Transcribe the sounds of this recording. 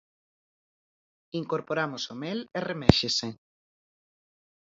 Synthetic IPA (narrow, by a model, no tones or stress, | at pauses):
iŋkoɾpoɾamosomeleremɛʃese